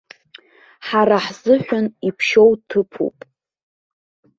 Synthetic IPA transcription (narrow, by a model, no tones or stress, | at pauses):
ħaɾaħzɨħʷᶣʊnipʰʃo̞wtʰɨpʰṵpʼ